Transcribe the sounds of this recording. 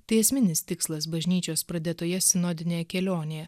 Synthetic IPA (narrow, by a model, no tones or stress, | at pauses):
t̪ɐɪɛsʲmʲɪnʲɪst̪ʲɪkslˠɐs̬bɐʒʲnʲiːt͡ʃʲoːspɾɐd̪ʲeːt̪oːjɛsʲɪnoːd̪ʲɪnʲeːjɛkʲɛlʲoːnʲejɛ